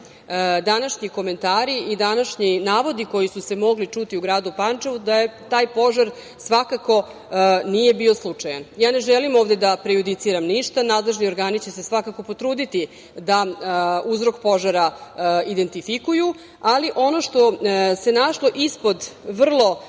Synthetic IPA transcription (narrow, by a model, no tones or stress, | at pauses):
d̪anaʃɲiko̞me̞nt̪aːɾiid̪anaʃɲinaːʋo̞d̪iko̞jisuse̞mo̞ɡlit͡ʂut̪iuɡɾaːd̪upant͡ʂeʋud̪ajet̪aːjpo̞ʒaɾ | sʋakako̞ | nije̞bio̞slˠut͡ʂaja̰njaːne̞ʒɛlimoːʋd̪ed̪apɾejud̪it̪siɾamniʃt̪anaːd̪le̞ʒnio̞ɾɡaːnit͡ɕe̞se̞sʋakako̞po̞t̪ɾuːd̪it̪i | d̪auzɾo̞kpo̞ʒaɾaid̪e̞nt̪ifikuju | aliʔo̞no̞ʃt̪o̞se̞naʃlˠo̞ʔispo̞d̪ʋr̩lˠo̞